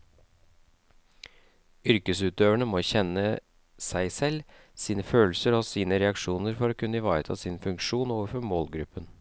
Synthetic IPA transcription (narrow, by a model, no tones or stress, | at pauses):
ʏɾkəsʉːt̪øːʋəɳəmoːçɛnə | sæɪsɛl | siːnəføːlsəɾɔsiːnəɾɛɑkʂuːnəɾfɔɾɔːkʰʉnːəɪʋɑːɾət̪ʰɑ̰ːsɪnfʉŋkʂuːnoːʋəɾfɔɾmoːlɡɾʉpːən